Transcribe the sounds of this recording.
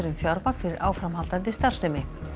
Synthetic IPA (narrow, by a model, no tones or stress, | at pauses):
ɾʏmfjaɾvakfɪɾɪɾʔa̰ːwfɾamhalt̪ant̪ɪst̪ar̥sɛmɪ